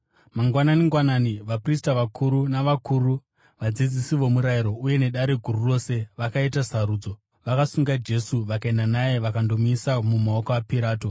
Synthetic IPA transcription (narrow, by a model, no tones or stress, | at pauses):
maŋɡwananiŋɡwananiʋapristaʋakʰuɾunaʋakuːɾu | ʋad͡zid͡zisiʋo̞muɾaiɾo̞uje̞ne̞ɗaɾe̞ɡʱururo̞ːse̞ʋakaitasaɾuːd͡zo | ʋakasuŋɡad͡ʒe̞suʋakaendanajeʋakando̞misamumao̞koapiɾaːto